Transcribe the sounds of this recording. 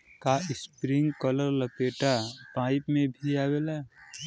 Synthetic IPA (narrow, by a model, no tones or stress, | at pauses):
kaɪspɾɪ̃ŋɡkələɾləpeːʈapaːɪpmẽbʱiaɡela